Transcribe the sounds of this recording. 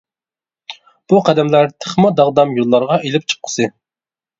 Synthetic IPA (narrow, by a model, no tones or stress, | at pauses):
b̥uqʰæd̪ɛmlæɾt̪ʰəχmɑd̪ɑʁd̪ɑmjolˠːɑɾʁɑʔelɪp̚t͡ʃʰə̥qʰːə̥sɨ